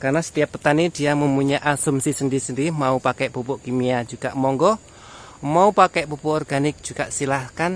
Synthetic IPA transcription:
karnasə̥t̪iapːət̪anid̥iaməmuɲaʔasumsisəndisəndimaupakɛʔpupuʔkimiad͡ʒuɡa̰ʔmɔŋɡɔ | maupakɛʔpupuʔɔrɡanɪk̚d͡ʒ̥uɡaʔsilahkan

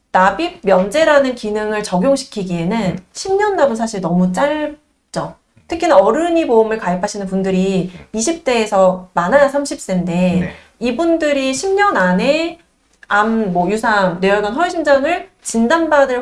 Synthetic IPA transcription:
nabik̚mjʌnd͡ʑe̞ɾanɯnkinɯŋɯɭt͡ɕʌɡjoŋɕʰi̥kʰiɡie̞nɯnɕʰimɲʌnːabɯnsʰaɕʰiɭnʌmut͡ɕ͈aɭ | t͡ɕ͈o | tʰɯkʰinɯnʌɾɯɲiboɯmɯɭkaipʰaɕʰinɯnpundɯɾiːɕ̬ʰip̚t͈e̞ːsʰʌmanɦajasʰamɕʰip̚s͈ende̞ | ibundɯɾiɕʰimɲʌnane̞ | amːʌjusʰaŋneʌɡʌnsʰʌɕʰimd͡ʑaŋɯɭ | t͡ɕindanbadɯɭ

